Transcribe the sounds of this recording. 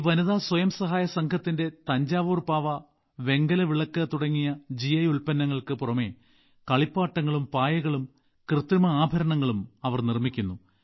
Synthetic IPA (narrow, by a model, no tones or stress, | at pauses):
iʋɐnuðaːswɐjɐmsɐɦaːjɐsɐŋkʰɐt̪ːinde̞t̪ɐɲd͡ʑaːʋuːrpaːʋɐ | ʋe̞ŋɡɐlɐʋiɭɐkːɐt̪uɽɐŋːijɐd͡ʑijɐjuɭpɐnːɐŋːɐɭkɨpurɐme | kɐɭipːaːʈːɐŋːɐɭumpaːjɐɣɐɭum | krɨt̪ɾumɐaːbʱɐɾɐɳɐŋːɐɭumɐʋɐrnirmikʲːunːu